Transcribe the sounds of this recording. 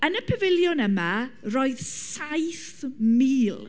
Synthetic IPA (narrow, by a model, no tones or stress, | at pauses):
ənəpʰɛvɪljʊnəmaroːɨðsajθmiːlˠ